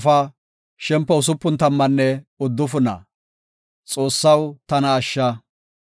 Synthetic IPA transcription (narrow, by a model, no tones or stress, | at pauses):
fɐ | ʃɛmpːɛʊs̬ʊpːʊnt̪ɐmːɐnːɛʊd̪ːʊfʊnɐ̰ | t͡sʼo̞ːsːɐwt̪ɐnɐːʃːɐ